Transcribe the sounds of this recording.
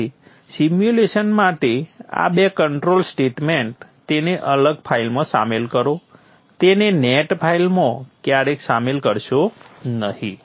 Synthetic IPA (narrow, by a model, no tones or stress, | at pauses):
simjuleʃənmaʈea̰bekəɳʈɾolsʈeʈmeɳʈt̪eneʔələɡ̚pʰailmãsa̰melkəɾo | t̪eneneʈpʰailmõkjaɾeksamelkəɾʃonəɦĩ